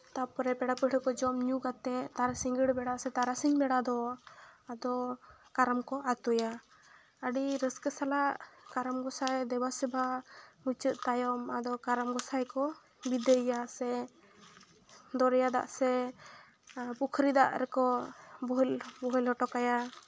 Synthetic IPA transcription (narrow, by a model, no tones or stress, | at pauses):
t̪apɔɾɛpɛɽapəʈʰəkɔd͡ʒɔmɲukat̪ɛt̪aɾasiŋɡəɽbɛɽasɛt̪aɾasiɲbɛɽad̪ɔ | ad̪ɔkaɾəmkɔʔat̪uja | əɖiɾəskəsalaʔkaɾəmɡɔsajd̪ɛbasɛbʱamut͡ʃət̪t̪ajɔmad̪ɔkaɾəmɡɔsajkɔ | bid̪əjjasɛ | d̪ɔɾɛjad̪a̰ʔsɛ | pukʰɾid̪aʔɾɛkɔbɔɦlbɔɦɔlɦɔʈɔkaja